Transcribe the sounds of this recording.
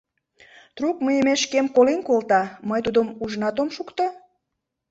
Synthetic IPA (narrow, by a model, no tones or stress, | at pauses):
t̪rukməjəmeʃkemkolinkolt̪ɑməjt̪ud̪əmuʒənɑt̪omʃukt̪o